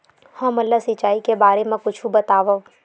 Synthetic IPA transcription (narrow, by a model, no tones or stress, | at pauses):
hə̃mɐlːasɪt͡ʃaːikebaːɾemẽkʊt͡ʃʰubɐt̪aːʋə